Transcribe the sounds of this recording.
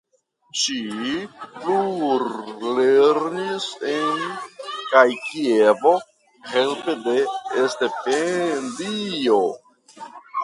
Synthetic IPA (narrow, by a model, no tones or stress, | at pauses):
t͡ʃipluɾleɾnisenkajkievo̞ | he̞lpedeːste̞pendio